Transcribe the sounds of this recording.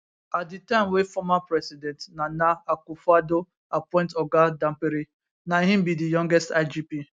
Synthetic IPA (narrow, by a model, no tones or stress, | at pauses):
at̚ditaɪmwefɔmapɾɛsidɛntnanaakufado | apɔɪ̃ntɔɡadãm̩peɾi | naiɦɪ̃m̩bidijɔ̃ŋɡɛstad͡ʒipi